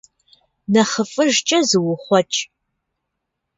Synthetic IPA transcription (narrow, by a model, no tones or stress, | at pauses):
nɐχəfʼɨʒt͡ʃʼɐzɨwʊχʷɔt͡ʃʼ